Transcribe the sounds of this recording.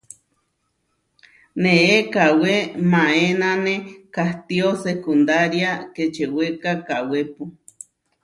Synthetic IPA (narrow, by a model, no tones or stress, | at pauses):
neekawemãenãnẽkaht̪iosekund̪aɾjaket͡ʃewekakawepu